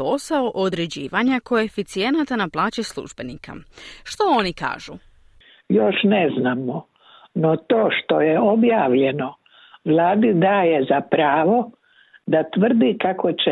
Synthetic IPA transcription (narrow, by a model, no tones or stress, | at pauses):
o̞saoʔod̪ɾe̞d͡ʑiːʋaɲako̞e̞fit̪sije̞nat̪anaplˠaːt͡ɕeslˠṵʒbe̞nika̰ʃt̪oonika̰ːʒ̥u | joʃneznaːmo | not̪o̞ːʃt̪o̞jeobjaːʋʎeno | ʋlˠaːd̪id̪aːjezapɾaːʋo̞ | d̪at̪ʋr̩d̪ikakot͡ʃe